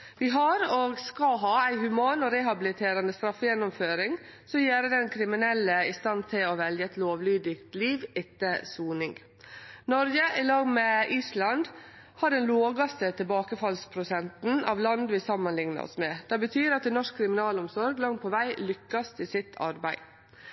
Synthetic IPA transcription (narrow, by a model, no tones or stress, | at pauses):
ʋɪɦɑɾoɡskɑɦɑːæɪhʉmɑːnɔɾɛɦɑbɪlɪt̪ʰeːɾɑnd̪əst̪ɾɑfːəjɛnːɔmføːɾɪŋ | sɔmjeːɾəd̪ɛnkʰɾɪmɪnɛlːəɪst̪ɑnt̪ʰɪlɔʋɛljəɛt̪loːʋlyːd̪ɪkt̪liːʋɪt̪ːəsuːnɪŋ | nɔɾɡəʔɪlɑːɡmɛʔiːslɑnd̪ | hɑɾɛnloːɡɑst̪ət̪ʰɪlbɑːkəfɑlspʰɾʊsɛnt̪n̩ɑ̰ʋlɑnd̪ʋɪsɑmːənlɪŋnɑ̰ɔ̰smɛːd̪̥ɛbət̪ʰyːɾɑt̪d̪ɛnɔʂkkʰɾɪmɪnɑːlɔmsɔɾɡlɑŋt̪̚pʰɔʋæɪlʏkːɑst̪ʰɪsɪt̪ʰɑ̰ɾbæɪ